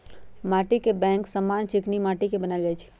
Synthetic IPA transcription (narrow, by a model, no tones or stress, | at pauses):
maːʈikebɛ̃ːŋksəmːaːnt͡ʃɪknimaːʈikebənaːid͡ʒat͡ʃʰi̥